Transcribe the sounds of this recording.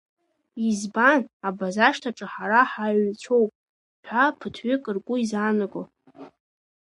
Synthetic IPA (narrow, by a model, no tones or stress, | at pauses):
izbanabazaʂtʰaʈ͡ʂʼɨħaɾaħaɥt͡ɕʷʰo̞wpʼ | ħʷᶣapʰɨtʰɥʏkʼɨrkʼʊizanɨɡʷʼo